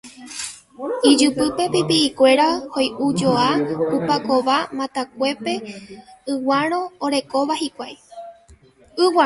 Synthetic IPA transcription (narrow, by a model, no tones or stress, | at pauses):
id͡ʒɨpɨpe̞pipiːkʷe̞ɾahojʔud͡ʒoapupako̞ʋamãt̪ak̚ʷe̞pe̞ɨwaɾ̃õ̞oɾe̞ko̞ʋahikʷaj | ɨwa